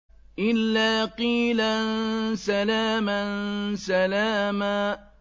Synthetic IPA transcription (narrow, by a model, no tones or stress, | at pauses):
ʔɪlːaːqiːlansalaːmansalaːma